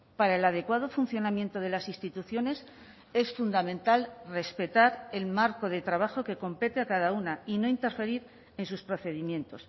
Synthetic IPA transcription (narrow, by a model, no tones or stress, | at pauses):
paɾaelað̞e̞kwað̞o̞fun̟θjo̞namjẽ̞nt̪o̞ð̞e̞lasist̪it̪uθjo̞ne̞s | e̞sfund̪amẽ̞nt̪alre̞spe̞t̪aɾe̞lmaɾko̞ð̞e̞t̪ɾaβ̞axo̞ke̞ko̞mpe̞t̪eakaðaunaino̞int̪e̞ɾfe̞ɾiɾ | e̞nsuspɾo̞θe̞ð̞imjẽ̞nt̪o̞s